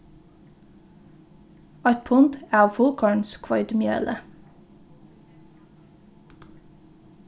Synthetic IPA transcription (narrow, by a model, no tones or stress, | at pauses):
ɑʏt̪̚pʰʊnd̪æːɑːʋfʊlkʰɑɳskʰʋɑʏd̪mjø̰ːlʔə